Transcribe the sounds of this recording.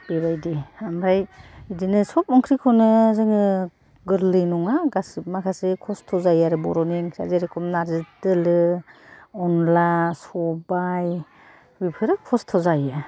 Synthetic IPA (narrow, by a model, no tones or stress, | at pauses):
b̥eβajdiamɾajidinɯsɔp̚ɔŋkʰɾikʰɔnɯzɯŋɯ | ɡɯɾlɯjnɔŋaɡasmakʰasekʰɔstʰɔzajaɾɯbɔ̰ɾɔniŋkʰɾa̰zeɾekʰɔmnaɾzidɯlɯ | ɔnlasɔbaj | bipʰɯɾɯkʰɔstʰɔzajɯ